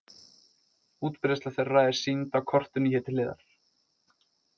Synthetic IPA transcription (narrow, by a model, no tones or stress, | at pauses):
uːt̪pɾɛst̪aθejrraːjðɪ̥sint̪awkʰɔr̥t̪ʏnihɛːt̪ɪlɪːða̰ɾ̥